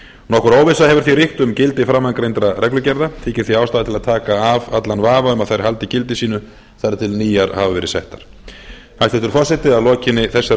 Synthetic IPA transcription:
nɔhkʏɾoːwvɪsahɛvʏɾ̥θirɪht̪ʏmcɪlt̪ɪfɾamːaŋkɾejnt̪ɾarɛklʏcɛɾðat̪ʰiːcɪ̥θiaːwst̪aːðat̪ʰɪlaðt̪ʰaːkaːvat̪lanvaːvaʏmaðθajɾ̥halt̪ɪcɪlt̪ɪsiːnʏ | θajɾt̪ʰɪlniːjaɾhaːvavɛɾɪsɛht̪aɾ̥ | hast̪ɪht̪ʏɾ̥fɔsɛht̪ɪðaðlɔːcɪnːɪθɛsːa

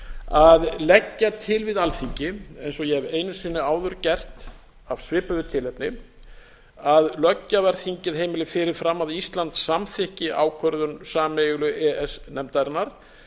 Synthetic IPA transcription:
aðlɛcːat̪ʰɪlvɪðalθiɲcɪejnsɔjɛɛveːjnʏ̥sɪnːɪaːwðʏɾcɛr̥t̪ | avsvɪːpʏðʏt̪ʰɪlɛpnɪ | aðlœcːavɛɾ̥θiɲcɪðhejmɪlɪfɪɾɪɾ̥fɾamːaðist̪lant̪sːamθɪhcɪʔa̰ːwkʰœɾðʏnsaːmeɣlʏʔɛɛsnɛmt̪aɾnaɾ̥

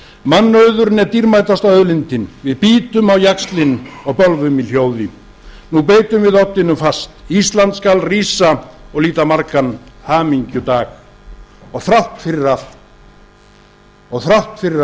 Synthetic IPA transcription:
manːœɥðʏɾnɛɾt̪iɾmaːjt̪ast̪awœðlɪnt̪ɪnvɪðpiːt̪ʏmawjakst̪lɪnɔɣpœlvʏmil̥joːwðɪ | nupeːjt̪ʏmvɪðɔt̪ːɪnʏmfast̪ist̪lant̪skalriːsaɔɣliːt̪amaɾkanhaːmiɲcʏt̪aːx | ɔɣθɾawht̪fɪɾɪɾa | ɔɣθɾawht̪fɪɾɪ

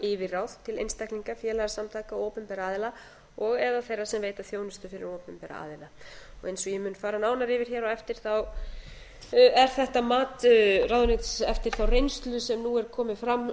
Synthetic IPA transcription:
ɪvɪrawð̥t̪ʰɪlḛjnst̪ajkniŋkafjɛːlaɣasamt̪ʰaːkawoːwpɛmpɛɾaːðɪla | ɔɣɛðaθejrːḁsɛmveːjt̪aθjoːwnʏst̪ʏfɪɾɪɾoːwpɛmpɛːɾa̰a̰ːðɪlaɔ̰ɣejnsɔɣjɛmʏːnfaːɾanaːwnaɾɪvɪɾ̥çɛːɾɔɛft̪ɪɾ̥θaw | ɛɾ̥θɛht̪amaːt̪rawðʏnɪt̪sɛft̪ɪɾ̥θawrejnst̪lʏsɛmnuɛɾ̥kʰɔːmɪfɾamː

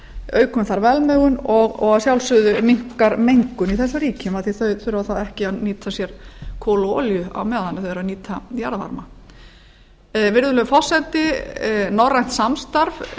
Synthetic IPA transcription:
œːɥkʰɔmʏθaɾvɛlmœːɣʏnɔɣɔɣaðsjawlsʏðʏmiŋ̥kaɾmejŋkʏniθɛsːaɾiːcʏmaðθiθœθœɾʏvaθaðɛhcɪaðniːt̪ʰasjɛɾ̥kʰoːlɔːljʏa̰wmɛːðhanːɪθœðɾaðniːt̪ʰajaɾva̰ɾma̰ | vɪɾðʏlœʏfɔ̥sɛnt̪ɪnɔrːajn̥t̪samst̪aɾv

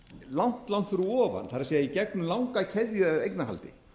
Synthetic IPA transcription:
lan̥t̪lant̪fʏɾʏɔːva̰nθaɾasejaicɛknʏmlawŋkacʰɛðjʏvejknaɦa̰lt̪ɪ̰

